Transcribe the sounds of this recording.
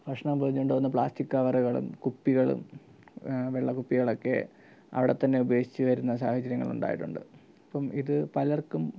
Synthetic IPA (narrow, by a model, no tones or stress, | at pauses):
pɐʂɳɐmpurɐɲːoɳɖoːɣunːɐp̬ɭa̰ːstikːɐʋɐrɐɣɐɭṵmkupːiɣɐɭṵm | ʋeɭːɐkupːiɣɐɭo̞kːe̞̰ | ɐ̰ʋiɽet̪ːɐnːe̞ubɐjeːʂi̥t͡ɕːɨʋɐɾunːɐs̬aːhɐt͡ɕːɐɾjɐŋːɐ̰ɭṵɳɖa̰ːjiʈːuɳɖɨ̰ | ɐpːɐmiðɨpɐlɐrkːum